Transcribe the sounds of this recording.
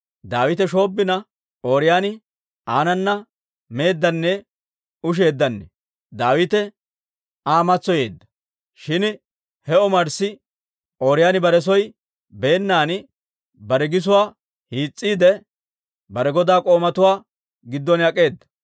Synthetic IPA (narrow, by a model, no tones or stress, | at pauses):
d̪aːwɪt̪ɛʃo̞ːbːɪnɐ | oːɾɪjaːnɪ | aːnɐnːɐ | me̞ːd̪ːɐnːɛ | ʊʃ̬e̞ːd̪ːɐnːɛ | d̪aːwɪt̪ɛ | aːmɐt͡sːɔje̞̰ːd̪ːɐ̥ | ʃɪn | hɛɔmɐɾsɪ | ʔo̞ːɾɪjaːnɪbɐɾɛs̬ɔj | be̞ːnːaːn | bɐɾɛɡɪs̬ʊwaː | hiːt͡sʼːiːd̪ɛ | bɐɾɛɡɔd̪aːkʼo̞ːmɐt̪ʊwaː | ɡɪd̪ːɔnjɐkʼe̞ːd̪ːɐ̥